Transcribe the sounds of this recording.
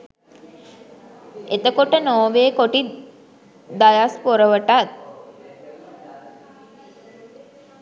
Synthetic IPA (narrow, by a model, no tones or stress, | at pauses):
et̪əkoʈənoːʋeːkoʈi | d̪ajaspoɾəʋəʈat̪̚